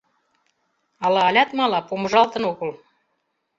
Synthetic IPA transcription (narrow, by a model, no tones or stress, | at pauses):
ɑlɑːlʲɑt̪mɑlɑpomɤ̆ʒɑlt̪ɤ̆noɣɤ̆l